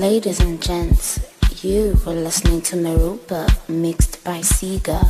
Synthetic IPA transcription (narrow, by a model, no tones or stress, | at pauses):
leɪɾizə̃nd͡ʒɛ̃ntsjəwəlɪsnɪ̃ŋtʰəməɹopəmɪkstb̥aɪsiːɡə